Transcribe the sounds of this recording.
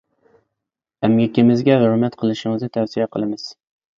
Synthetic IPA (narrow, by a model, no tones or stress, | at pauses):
æmɡʲɛkʲɪmɪzɡʲɛɦʊɾmɛt̪qʰəlˠɨʃɪŋɨznɨt̪ʰɛwsijɛqʰəlˠɨmɨz̥